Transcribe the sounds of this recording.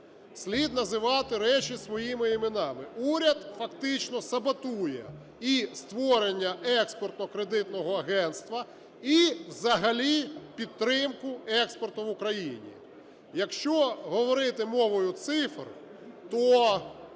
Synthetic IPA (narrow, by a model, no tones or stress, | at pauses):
sʲlʲid̪nɐzɪʋɑt̪ɪɾɛt͡ʃʲisʋɔjimɪimɪnɑmɪuɾʲɐd̪fɐkt̪ɪt͡ʃnɔsɐbɐt̪ujɛ̰ | ist̪ʋɔɾenʲːɐɛkspɔrt̪nɔkɾed̪ɪt̪nɔɦɔɐɦɛnt̪st̪ʋɐ | iwzɐɦɐlʲipʲid̪̚t̪ːɾɪmkʊɛkspɔrt̪ʊʋʊkɾɐjinʲḭ | jɐkʃt͡ʃɔɦɔʋɔɾɪt̪ɪmɔʋɔjʊt̪sɪfr | t̪ɔ